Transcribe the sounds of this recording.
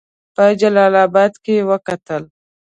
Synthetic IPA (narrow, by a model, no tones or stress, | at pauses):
pəd͡ʒalɑlɑbɑd̪kewəkat̪əl